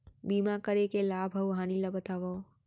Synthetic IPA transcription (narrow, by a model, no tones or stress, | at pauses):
biːmakəɾekelaːbʱəuɦaːniləbət̪aʋo